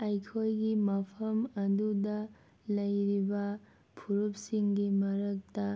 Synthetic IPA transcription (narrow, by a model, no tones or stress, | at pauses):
ɐjkʰojɡimɐpʰɐmɐdudɐ | lɐjɾibɐ | pʰuɾup̚siŋɡimɐɾɐk̚tɐ